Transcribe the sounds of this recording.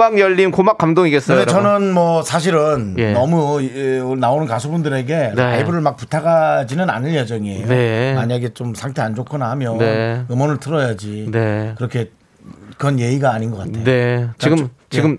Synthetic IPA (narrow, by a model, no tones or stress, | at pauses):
aŋjʌʎːinkomak͈amdoŋiɡes͈ʌɯdet͡ɕʌnɯnmwʌsʰaɕ̬ʰiɾɯnjːʌmu | naonɯnkas̬ʰubundɯɾe̞ɡe̞naibuɾɯɭmak̚putʰaɡad͡ʑinɯna̰nɯɭjed͡ʑʌŋiejoemaɲaɡe̞t͡ɕomsʰaŋtʰe̞and͡ʑokʰʌnahamjʌnenɯmʌnɯɭtʰɯɾʌjad͡ʑinekɯɾʌkʰe̞ | kɯɾʌnje̞iɡaːɲinɡʌk͈atʰejet͡ɕiɡɯmt͡ɕiɡɯm